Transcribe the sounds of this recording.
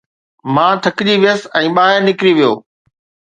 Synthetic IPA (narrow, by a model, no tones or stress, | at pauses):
mãːt̪ʰɐkɪʄiʋijəsɛ̃ːɓaːɦɪɾnɪkɾiʋijo̰ː